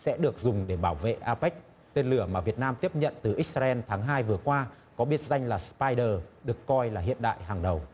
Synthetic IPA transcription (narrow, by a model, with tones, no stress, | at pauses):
sɛ̰˧˥ɗɨ˨˩ək̚zʊ˨˩ŋ͡mɗe˧˩ɓaː˧˩wvḛ˧˨ʔaː˧pɛ˦˥k̟̚ | t̪e˧nlɨ˧˩əmaː˨˩vi˨˩ət̚naː˧mt̪i˦˥əp̚ɲə̰˧˨nt̪ɨ˨˩ʔi˦˥k̚zaː˧ʔɛ˧nt̪ʰaː˨˦ŋɦaː˧jvɨ˨˩əkwaː˧ | kɔ˨˦ɓi˦˥ət̚za˧jŋlaː˨˩spaː˧jɗəː˨˩ɗɨ˨˩əkːɔ˧jlaː˨˩ɦḭ˧˨ənɗa̰ː˧˨jɦaː˨˩ŋɗə˨˩w